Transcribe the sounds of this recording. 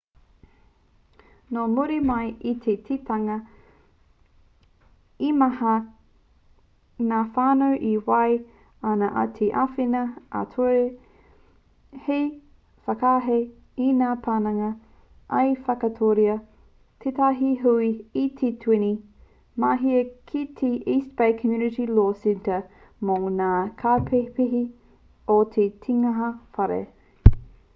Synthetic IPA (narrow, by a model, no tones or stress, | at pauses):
nomuɾimɐjit̪ʰetʰitɐŋɐ | imɐhɐ | naːfaːnowʔiwɐj | anɐʔa̰tʰeʔafinɐʔa̰tʰoe | hej | fɐkaːɦe | inaːpʰaːnɐŋɐ | ʔɐjfɐkɐtʰoɾiɐ | tʰetʰaɦiɦuiːtʰetʰwini | maːɦiɐkʰitʰeʔiːstb̥ejkʰəmjunɪɾiloːsɛntə | mownaːkʰaːpʰepiɦi | otʰetʰiŋɐɦɐfɐɾḛ